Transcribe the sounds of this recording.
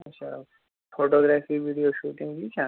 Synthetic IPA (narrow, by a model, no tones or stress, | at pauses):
ɐtːʃʰa̰ | fʰoːʈoːɡɾɛːfiʋiːɖijoʃuːʈɪ̃ŋɡd͡ʒit͡ʃʰaː